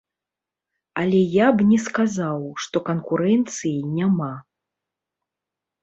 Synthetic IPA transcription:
ɐlʲɛjabnʲɛskazawʂt̪ɔkɐnkuɾɛnt̪sɨjinʲama

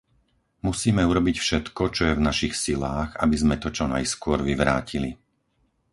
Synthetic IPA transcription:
musiːmɛuɾɔbicfʃɛt̪kɔt͡ʃɔjɛvnaʃixsilaːɣa̰bizmɛt̪ɔt͡ʃɔna̰jskʊɔɾʋiʋɾa̰ːcili

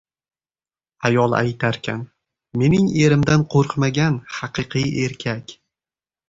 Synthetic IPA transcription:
ajɒlˠa̰jt̪ʰaɾkʲʰa̰n | me̞nɪŋe̞ɾɪmd̪anqʰoɾqmaɡʲanhɑqʰɨqʰɨje̞ɾkʲʰakʲ

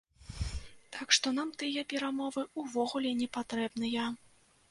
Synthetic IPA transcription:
t̪akʂt̪ɔnamt̪ɨjɐpʲɛɾamɔvɨuvɔɣulʲɛnʲɛpat̪ɾɛbnɐjɐ

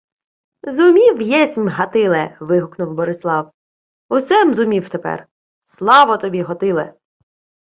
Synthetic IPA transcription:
zʊmʲiwjɛsʲmʲɦɐt̪ɪlˠɛʋɪɦʊknʊwbɔɾɪslˠɑw | ʊsɛmzʊmʲiwt̪epɛ̰r | slˠɑʋɔt̪ɔbʲiɦɔt̪ɪlˠɛ̰

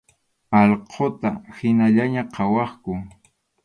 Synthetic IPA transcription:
ɑʎqʰot̪ahɪnaʎaɲaqʰɑwɑχkʊ

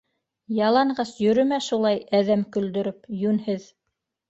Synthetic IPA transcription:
jɑlˠɑɴɢɑsjɵ̆ɾɵ̆mæʃulˠɑjæðæmkɵ̆ld̪ɵ̆ɾɘpjʉnhɘð

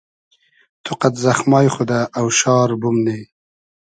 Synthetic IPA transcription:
t̪ʰʊqat̪zaxmɑːjχod̪aʔːwʃɑːɾbʊmne

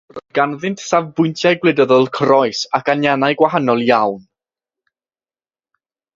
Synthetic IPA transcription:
rɡanðɪntsavbʊjntʰjajɡwlˠɨdəðɔlˠkʰrɔɨsakʰanjanajɡwaɦanɔlˠjawn

